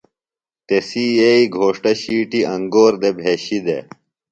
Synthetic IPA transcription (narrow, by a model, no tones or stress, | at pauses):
t̪esijeiɡʱoːʂʈɐɕiːʈiɐŋɡoːɾd̪ebʱeːɕid̪e